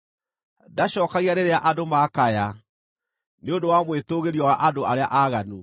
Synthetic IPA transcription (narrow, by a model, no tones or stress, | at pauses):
daɕɔːkaɣianeɾeaʔadomakaja | neondowamwetoɣeɾiɔwaʔadoʔaɾeaʔaːɣanu